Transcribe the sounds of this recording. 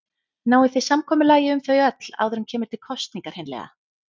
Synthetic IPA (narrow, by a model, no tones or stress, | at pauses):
naːwɪθesamkʰɔːmʏlaːjɪʏmθœɥjœt̪l̥a̰ːwðʏɾʏmcʰɛːmʏɾ̥t̪ʰɪl̥kʰɔst̪niŋkaɾ̥hejnlɛ̰ɣa̰